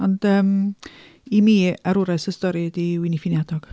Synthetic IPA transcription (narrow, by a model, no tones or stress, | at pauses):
ɔndəːm | imiːaɾʊɾasəstɔɾidiwɪnifinjadɔɡ̥